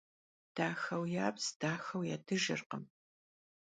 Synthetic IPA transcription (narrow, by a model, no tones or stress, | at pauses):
d̥aːxɐwjaːpsd̥aːxɐwjaːdʰɨʒɪ̰rqə̰m